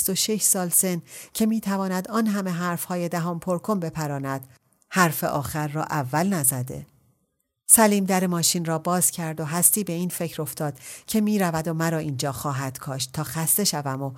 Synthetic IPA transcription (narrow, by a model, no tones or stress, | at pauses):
st̪o̞ʃeʃsɒːlse̞ncʰe̞miːt̪ʰævɒːnæd̪ɒːnɦæme̞ɦæɾfhɒːje̞d̪æɦɒːmpʰoɾkʰo̞mbe̞pʰæɾɒːnæd̪̥ | hæɾfe̞̰ʔɒːxæɾːɒːʔævːælnæzæd̪e̞̰ | sæliːmd̪æɾemɒːʃinrɒːbɒːz̥cʰæɾd̪oɦæst̪iːbe̞iːnfe̞cʰɾo̞ft̪ɒːd̪̥cʰe̞miːɾævæd̪omæɾɒːiːnd͡ʒɒːxɒːɦæd̪̥kʰɒːʃt̪t̪ʰːɒːxæst̪e̞ʃævæmo